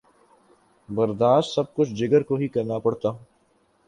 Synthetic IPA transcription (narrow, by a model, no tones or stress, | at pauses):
bɐɾd̪aːʃt̪sɐb̚kʊt͡ʃʰd͡ʒɪɡəɾkoɦikɐɾnapɐɽt̪aː